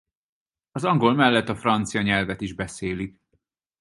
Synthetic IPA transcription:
ɒzɒŋɡo̞lmɛlːɛt̪ːɒfrɒnt̪sijɒɲɛlvɛt̪iʒbɛseːlik

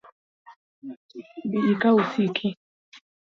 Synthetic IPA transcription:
biʔikausikʰi

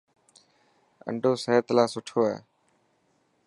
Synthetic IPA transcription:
ə̰ɳɖʱoːseɦt̪laːsʊʈʰoːa̰ː

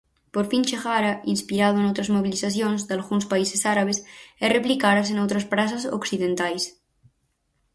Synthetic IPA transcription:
poɾfint͡ʃexaɾainspiɾaðoenowt̪ɾazmoβ̞iliθaθjõnzðalɣunspaisesaɾaβ̞esɛreplikaðas̬enowt̪ɾaspɾasaso̰ksiðent̪ajs

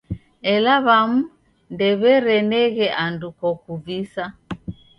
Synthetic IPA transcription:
ɛlaβamu | ndɛβɛɾɛnɛɣɛʔandukɔkuvisa

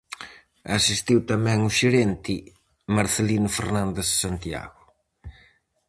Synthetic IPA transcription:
asist̪iwt̪amɛ̃ŋuʃeɾent̪i | maɾθelinʊfḛɾnãnd̪essant̪ia̰ɣʊ

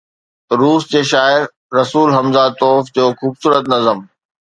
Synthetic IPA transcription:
ɾuːsd͡ʑeːʃaːɪɾː | ɐsuːlɦɐmzat̪ɔːfd͡ʑoːxuːbsuːɾət̪nɐzəm

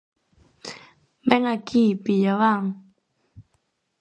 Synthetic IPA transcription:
mɛŋakʰipijawaŋ

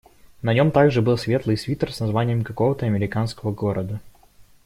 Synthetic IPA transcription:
nɐnʲo̞mt̪aɡʐɨbɨlˠsʲvʲe̞t̪lˠɨjsʲvʲit̪rsnɐzvanʲɪjəmkɐko̞vət̪əɐmʲɪɾʲɪkanskəvəɡo̞ɾʔəd̪ə

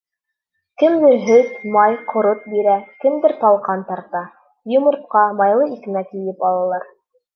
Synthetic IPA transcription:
kɘmd̪ɘɾɦɵt̪mɑjqŏɾot̪̚biɾækɘ̆md̪ɘɾt̪ɑlˠqɑnt̪ɑɾt̪ɑ | jŏmɤ̆ɾt̪̚qɑmɑjlˠɤikɘ̆nækɘ̆jɘpɑlˠɑlˠɑɾ

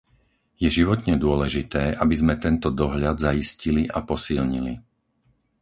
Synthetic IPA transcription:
jɛʒiʋɔt̪ɲɛd̪ʊɔlɛʒit̪ɛːʔabizmɛt̪ɛnt̪ɔd̪ɔɦʎad̪zajisciliʔapɔsilɲili

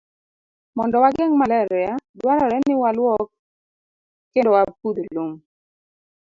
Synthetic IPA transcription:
mɔndɔwaɡɛŋmalɛɾadwaɾɔɾɛnɪwalwɔk̚ | kːendowapud̪olom

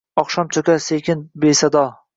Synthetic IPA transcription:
ɒχʃɒmt͡ʃ̪ʰokʲasekʲɪnbesad̪ɒ

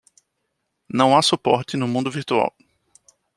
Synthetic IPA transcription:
nɐ̃w̃asupɔɾt͡ʃ̪ɪnʊmũnd̪ʊviɾt̪ua̰w

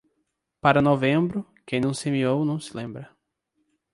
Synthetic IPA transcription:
paɾɐnovẽmbɾʊkẽj̃nɐ̃w̃semiownɐ̃w̃sɪ̥lẽmbɾɐ

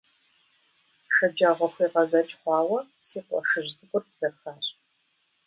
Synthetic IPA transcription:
ʃɐd͡ʒaːʁʷɐxʷiːʁɐzɐt͡ʃʼχʷɑːwɐsiːqʷʼɔ̰ʂɨʑdɨkʷʼʊrbz̥ɐrxaːɕʼ

